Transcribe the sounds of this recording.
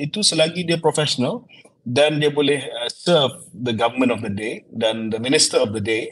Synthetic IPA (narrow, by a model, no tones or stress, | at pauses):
it̪usəlaɡidipɾɔfɛʃɔnəl | dɛ̃ndebolehsəvd̪əɡavəmə̃ntɔfd̪ədedɛ̃nd̪əmĩnistəɔfd̪əde